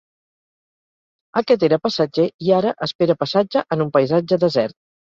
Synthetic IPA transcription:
əkɛt̪̬eɾəpəsəd͡ʒeiaɾəʔəspeɾəpəsad͡ʒəʔənumpəjzad͡ʒəðəzɛrt̪̚

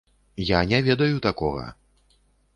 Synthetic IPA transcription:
janʲɛvʲɛd̪ɐjut̪akɔɣɐ̰

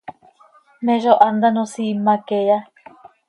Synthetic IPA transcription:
mẽʐoʔand̪anõsimãkeja

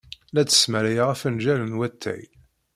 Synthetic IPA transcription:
læt͡sːə̥smæɾæjʁæfənʒælənwæt̪ʰːæ̰j

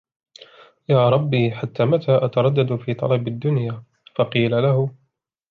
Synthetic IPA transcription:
jaːɾˤɑbːiħat̪ːaːmat̪ʰaːʔat̪ɑɾˤɑd̪ːad̪fiːt̪ˤɑ̰lɑbad̪ːʊnjaː | fɑqiːlalahʊ

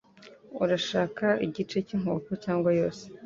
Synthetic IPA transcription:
uɾaʃaːkaiɟit͡ʃe̞ciŋ̥hoːkocaːŋɡwajo̞ːse̥

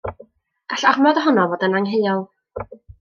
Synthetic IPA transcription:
aɬarmɔðəɦɔnɔvoːdənaŋɦejɔlˠ

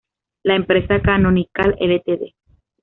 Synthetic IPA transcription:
laempɾesakanonikalelet̪eðe

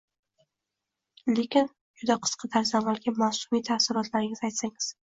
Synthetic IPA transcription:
le̞kʲɪn | d͡ʒʊd̪aqʰɨ̥sqʰɑd̪ʰaɾzamalˠɡʲamasʊmijt̪ʰasɪɾɒt̪laɾɪŋɪzajt̪saŋɪz̥

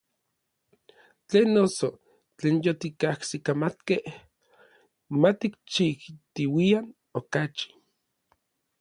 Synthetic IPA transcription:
t͡ɬeːnːoso | t͡ɬeːnjot̪ikahsikamat̪keh | mat̪ikt͡ʃiht̪iwian | okat͡ʃi̥

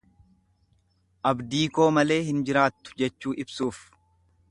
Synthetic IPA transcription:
ʔɐbd̪iːko̞ːmɐle̞ːhɪnd͡ʒɪɾaːt̪ːʊ̥d͡ʒɛt͡ʃːuːʔɪbsuːf

